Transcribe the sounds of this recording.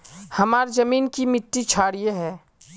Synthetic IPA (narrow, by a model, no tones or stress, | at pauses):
hɐmaːɾzɐmiːnkimɪʈːit͡ʃʰaːɽijeɦɛː